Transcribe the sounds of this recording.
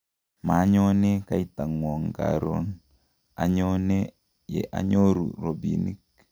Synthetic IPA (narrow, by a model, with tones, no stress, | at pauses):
ma˨˦ɲɔ˦ne˦ka˦i˦ta˨ŋwɔ˨ŋka̰˨ɾo̰˦n | a̰˨ɲɔ˦ne˦ | jɛ̰˨ʔa̰˨ɲo˦ɾṵ˨ɾo˨bḭni˦k̚